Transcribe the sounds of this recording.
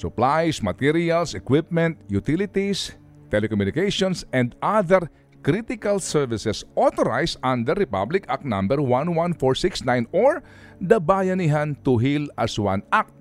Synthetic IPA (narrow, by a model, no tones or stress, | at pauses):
sʊplajsmɐt̪iɾiɐlsɛkwɪp̚mɛ̃nt̪jut̪ilɪt̪is | t̪ɛlɛkɔmunɪkejʃɔ̃nsɛ̃nd̪aðɛɾ | kɾit̪ɪkalsɛɹvɪsɛsʔot̪oɾajsʔãnd̪ɛɾɪpa̰blɪkak̚t̪nã̰mbɛɹwãnwãnfɔɹsɪksnãjnoɹ | d̪ɐbaːjɐniɦant̪ʊɦilɐswã̰nak̚t̪̚